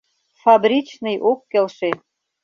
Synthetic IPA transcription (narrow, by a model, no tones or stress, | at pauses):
fɑbɾʲit͡ɕnɨ̆jʔokːelʃe